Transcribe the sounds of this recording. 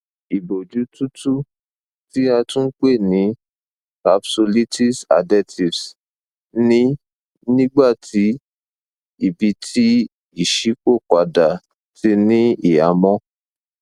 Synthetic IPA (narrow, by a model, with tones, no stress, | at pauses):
i˨bo˨d͡ʒu˨˦tu˦tu˦ | ti˦a˧tũ˦k͡pe˦˨nĩ˨˦ | ka˨pso˧li˦ti˦sa̰˨dɛ˦ti˨fs | nĩ˦ | nĩ˦ɡ͡ba˦˨tʰi˨˦ | i˦˨bi˧˦tʰi˦ | i˦˨ʃi˨˦ko˦˨k͡pa˨˧da˨ | ti˧nĩ˦i˨a˨˦mɔ̃˦